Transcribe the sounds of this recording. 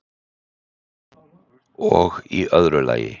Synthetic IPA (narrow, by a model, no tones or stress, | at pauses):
oːɣiːʔœðɾəlæɪə̰